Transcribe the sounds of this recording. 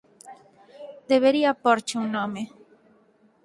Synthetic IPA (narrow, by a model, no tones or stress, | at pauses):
d̪eβeɾiapoɾt͡ʃeunome